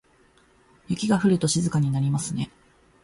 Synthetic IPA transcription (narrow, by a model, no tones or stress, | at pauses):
jɯkʲiɡaɸɯ̟ɾɯ̟t̪o̞ɕizɨkaɲ̟inaɾʲimasɨne̞